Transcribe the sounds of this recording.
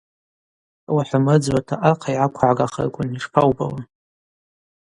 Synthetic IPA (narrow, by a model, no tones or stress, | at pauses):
waħʷamɨd͡zwʷatʰaʔaqʰajʕakʷʰaʕaɡʼaχə̰rkʷʼʊniʂpʰawbawan